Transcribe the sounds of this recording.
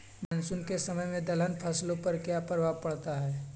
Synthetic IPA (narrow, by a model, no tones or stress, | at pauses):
mɛ̃nsʊnkesɐməjmẽd̪ɐlənpʰaːsɪlõpɐɾkjapɐɾʋapɐɽt̪aɦɛː